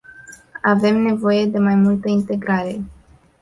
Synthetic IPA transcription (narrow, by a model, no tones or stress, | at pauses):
ave̞mne̞vo̞je̞d̪e̞majmult̪əint̪e̞ɡɾaɾe̞